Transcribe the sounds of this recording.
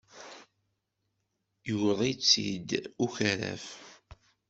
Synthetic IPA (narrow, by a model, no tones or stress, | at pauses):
juwðˤit͡sːḭd̪uçəɾæ̰f